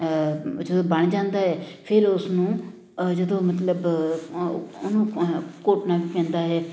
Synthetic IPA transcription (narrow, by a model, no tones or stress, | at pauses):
d͡ʒəd̪õːbəɳd͡ʒãːnd̪aːɦɛːpʰɪɾʊsnũː | d͡ʒəd̪õːmət̪̬ləb | nũːkoːʈnaːʋiːpɛ̃ːnd̪aːɦɛː